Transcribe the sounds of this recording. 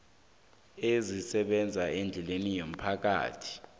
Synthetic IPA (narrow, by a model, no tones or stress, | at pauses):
ezisɛɓɛnd͡zʱaɛnd͡ɮʱɛlenijom̩pʰak̬a̰ːtʰi̥